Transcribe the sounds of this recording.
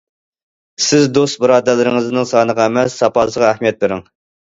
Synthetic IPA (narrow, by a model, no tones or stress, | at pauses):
sɪzd̪ost̪̚bɨɾɑːd̪ælːɨɾɪŋɨznɨŋsɑːnəʁɑæmɛsːɑpɑsəʁɑæhmijɛt̪̚lɨɾɪŋ